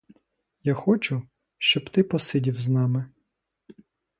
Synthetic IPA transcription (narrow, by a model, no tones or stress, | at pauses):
jaxɔt͡ʃʊ | ʃt͡ʃɔbt̪ɪpɔsɪdʲiwznɑmɪ